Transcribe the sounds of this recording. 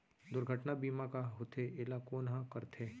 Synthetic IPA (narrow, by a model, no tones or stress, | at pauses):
d̪ʊɾɡʱəʈnabiːmakaɦʊt̪ʰeʔɪlakoːnɦãkɐɾt̪ʰeː